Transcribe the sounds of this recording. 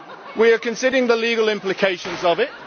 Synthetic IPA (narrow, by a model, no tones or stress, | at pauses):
wiəkʰə̃nsɪdəɪ̃ŋðəliːɡəlɪ̃mplɪkʰeɪʃə̃nzəvɪt̚